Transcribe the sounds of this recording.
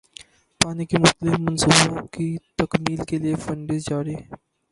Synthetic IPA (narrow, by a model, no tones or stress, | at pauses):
paːnikimʊxt̪əlɪfmɐnsuːbõkit̪əkmiːlkeliefɐ̃ɳɖɪzd͡ʒaːɾi